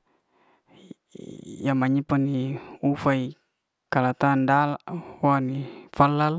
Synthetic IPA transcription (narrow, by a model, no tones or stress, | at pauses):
jamaɲipaniufai | kalat̪andalaʔwanifəlːal